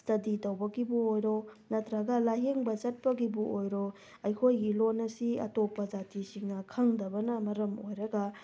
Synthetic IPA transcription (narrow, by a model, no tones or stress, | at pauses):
stɐditɐwbɐɡibuojɾonɐt̪ɾɐɡɐlaɦeŋbɐzɐt̚pɐɡibuʔojɾo | ɐjkʰojɡilonɐsiɐ̰topːɐd͡ʒatisiŋnɐkʰɐŋdɐbɐnɐmɐɾɐmojɾɐɡɐ